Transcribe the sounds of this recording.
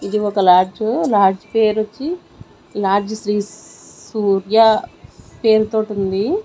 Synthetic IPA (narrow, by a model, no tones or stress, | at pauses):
id̪iɔkɐlaːɾd͡ʒulaːɾd͡ʒpeːɾot͡ʃːi | laːɾd͡ʒɐsɾiːsuːɾja | pe̞ːɾut̪o̞ːʈund̪i